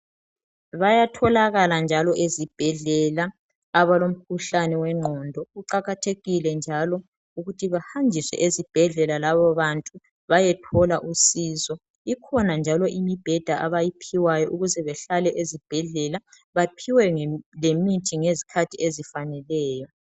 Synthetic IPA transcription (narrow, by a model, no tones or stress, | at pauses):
βajatʰɔlaɣaland͡ʒʱalɔʔezib̥ʱɛɮɛlaː | βalom̩kʰuɬanɛwɛŋ͡ǀʱɔndʱɔɣuǃaɣatʰeɣilɛnd͡ʒʱalɔ | uɣutʰiβahand͡ʒʱiswɛ̰ʔezib̥ʱɛɮɛlalaβɔβantʼu | βajɛtʰɔlaʔusiːzɔ | ikʰɔnand͡ʒʱalɔʔimib̥ʱɛd̥ʱaʔaβajipʰiwajɔʔuɣuzɛβɛɬalɛʔezib̥ʱɛɮɛla | βapʰiwɛlemitʰiŋezikʰatʰiezifanɛlɛːjɔ